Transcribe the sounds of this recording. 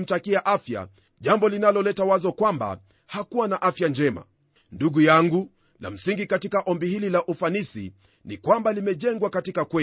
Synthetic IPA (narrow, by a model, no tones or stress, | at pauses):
m̩takiaʔafja̰ | ʄambɔlinalɔlɛtawazɔkwamba̰ | hakuwanaʔafjand͡ʒɛma̰ | nduɡujaŋɡu | la̰m̩siŋɡikatikaʔɔmbihililaʔufanisḭ | nikwambalimɛʄɛŋɡwakatikakwɛ